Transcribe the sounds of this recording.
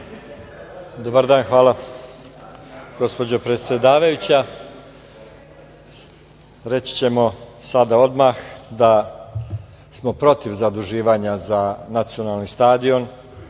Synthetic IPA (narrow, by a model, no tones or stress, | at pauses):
d̪o̞baɾd̪aːnxʋaːlˠa | ɡ̥o̞spo̞d͡ʑo̞pɾe̞t̪sje̞d̪aːʋajut͡ɕa | ɾe̞t͡ɕi̥t͡ɕe̞mo̞sad̪ao̞d̪maxd̪a | smo̞pɾo̞t̪iʋzad̪uʒiːʋaːɲazanat̪sio̞nalˠnist̪aːd̪io̞n